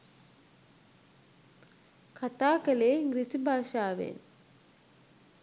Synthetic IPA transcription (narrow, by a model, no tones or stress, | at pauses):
kʰat̪aːkəleːŋɡɾisibʱaːʃaːʋḛn